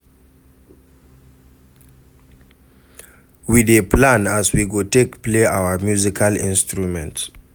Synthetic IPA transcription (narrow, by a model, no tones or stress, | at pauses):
wideplãnaswiɡotekpleʔawəmjuzikʰalḭ̃nstɹumɛ̃nt